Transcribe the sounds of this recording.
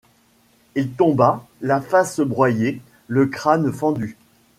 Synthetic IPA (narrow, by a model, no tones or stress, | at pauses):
ilt̪ɔ̃balafasəbʁwaje | ləkχanfɑ̃d̪y